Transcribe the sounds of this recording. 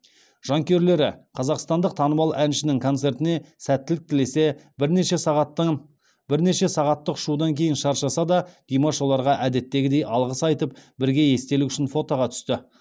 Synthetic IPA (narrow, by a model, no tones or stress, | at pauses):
ʒ̥ɑŋkʲe̞ɾle̞ɾɪqʰɑzɑqst̪ɑnd̪əq̚t̪ʰɑnəmɑlˠænʃɪnɪŋkʰo̞nt̪se̞ɾt̪ɪne̞sæt̪ːɪlɪk̚t̪ʰɪle̞se̞ | bɾneʃe | bɪɾne̞ʃe̞sɑʁɑt̪ːəqʊ̥ʃud̪ɑŋkʲʰe̞jɪnʃɑɾʃɑsɑd̪ɑd̪̥ijmaʃo̞lˠɑɾʁɑʔæd̪e̞t̪ːe̞ɡʲɪd̪e̞jʔɑlˠʁəsɑjt̪əp̚bɪɾɡʲe̞je̞st̪e̞luʏʃɪnfo̞t̪oʁɑt̪ʰʏ̥st̪ɪ